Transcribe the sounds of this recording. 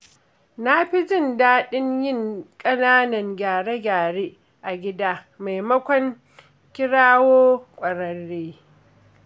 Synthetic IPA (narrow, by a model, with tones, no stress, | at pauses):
na˦ɸi˦d͡ʒɪ˦˨ndaː˦ɗɪ˦ɲjɪ˦ŋkʼɐ˦naː˦nɐ˨ŋɡʲaː˨ɽe˦ɡʲaː˨ɽeː˦ | ʔa˨ɡʲɪ˦daː˦ | ma˨jmɐ˦kʷɔ˦ŋ | kʲɪ˦ɽaː˦woː˦kʷʼɐ˨ɽɐ˦ɽːeː˦